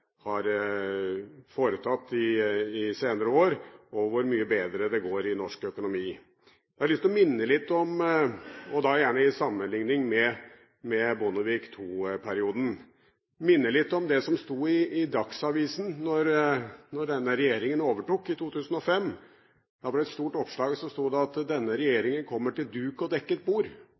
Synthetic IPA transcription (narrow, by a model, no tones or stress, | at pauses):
hɑɾ | foːɾət̪ʰɑt̪ːɪɪseːnəɾəoːɾɔʋʊɾmyːəbeːd̪ɾəd̪ɛɡoːɾɪnɔʂkœkʊnʊmiː | jææɭʏst̪ɔmɪnːəlɪt̪ːɔm | ɔd̪ɑjæːɳəɪsɑmːənlɪŋnɪŋmɛ | mɛbʊnɔʋiːkt̪ʰuːpʰæɾɪuːd̪n̩ | mɪnːəlɪt̪ːɔmd̪ɛsɔmst̪uːɪɪd̪ɑksɑʋiːsn̩nɔɾnɔɖɛnːəɾɛjeːɾɪŋənoːʋəʈuːkːɪt̪ʰuːt̪ʰʉːsn̩ɔfɛmː | d̪̥ɑʋɑɖɛt̪st̪uːʈɔpʂɭɑːɡsɔmst̪uːd̪ɛɑt̪d̪ɛnːəɾɛjeːɾɪŋənkʰɔmːəʈɪld̪ʉːkɔd̪ɛkːəɛt̪̚buːɾ